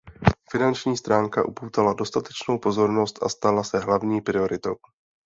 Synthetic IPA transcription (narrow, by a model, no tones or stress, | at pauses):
fɪnant͡ʃɲiːst̪ɾaːŋkaʔupowt̪alado̞st̪at̪ɛt͡ʃno̞wpo̞zo̞ɾno̞st̪ʔa̰st̪alasɛɦlavɲiːpɾɪo̞ɾɪt̪o̞w